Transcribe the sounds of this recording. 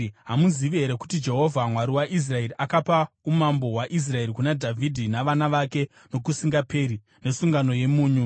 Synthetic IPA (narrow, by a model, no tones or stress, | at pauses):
ɦamuziʋeɾeku̥tid͡ʒe̞ɦo̞vʱamwaɾiwaʔis̬rae̞riʔakapa | umambo̞ɦwaʔis̬rae̞rikunadʱavʱidʱinaʋanaʋake̞ | no̞kusiŋɡapeɾi | ne̞suŋɡano̞je̞muːɲu